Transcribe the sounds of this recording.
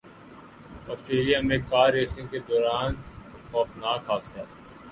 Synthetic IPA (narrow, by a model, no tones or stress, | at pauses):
ɔːsʈɾeːlijamẽkaːɾeːsɪ̃ŋked̪ɔːɾaːn | xɔːfnaːkʰaːt̪sɛː